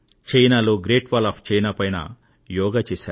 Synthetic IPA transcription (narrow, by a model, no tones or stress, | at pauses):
t͡ʃɐjnaːloːɡɾeːʈʋaːlaːpʰt͡ʃɐjnaːpɐjnɐ̰ | jɔːɡat͡ʃeːsa̰ː